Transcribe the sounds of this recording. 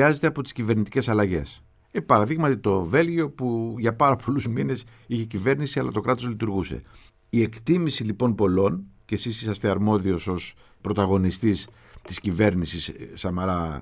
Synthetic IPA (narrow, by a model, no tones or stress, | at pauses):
ɐze̞t̪e̞ɐpo̞t̪i̥scive̞ɾnit̪ice̞sɐlɐʝe̞̰s | epɐɾɐðiɣmɐt̪it̪o̞ve̞lʝio̞puʝɐpɐɾɐpʰo̞luzmine̞s | içe̞cive̞ɾnisiɐlɐ̰t̪o̞kɾɐt̪o̞zlit̪uɾɣuse̞̰ | iekt̪imisilipo̞npo̞lo̞ncesisisɐst̪e̞ɐɾmo̞ðio̞so̞s | pɾo̞t̪ɐɣo̞nist̪is | t̪iscive̞ɾnisissɐmɐɾɐ